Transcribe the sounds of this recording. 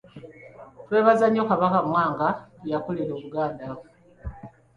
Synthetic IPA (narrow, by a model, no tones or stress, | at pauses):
twe̞ːβazaɲo̞kaβakamwaːŋɡajakoliɾo̞ːβuɡaːnda